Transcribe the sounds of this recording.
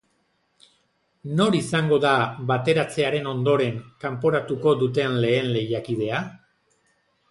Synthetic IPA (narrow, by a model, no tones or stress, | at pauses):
no̞ɾisaŋɡo̞ðaβat̪e̞ɾat͡se̞aɾe̞no̞nd̪o̞ɾe̞ŋkampo̞ɾat̪uko̞ðut̪̬e̞nle̞ːnle̞jakið̞e̞a